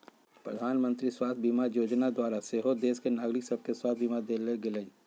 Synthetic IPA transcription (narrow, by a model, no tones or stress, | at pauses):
pɾə̰d̪ʱaːnmə̃nt̪ɾiswaːt̪ʰbimajoːd͡ʒnad̪waːɾaseɦod̪eːskenaːɡɾɪksəb̚ʱkeswaːt̪ʰbimad̪eleɡeləi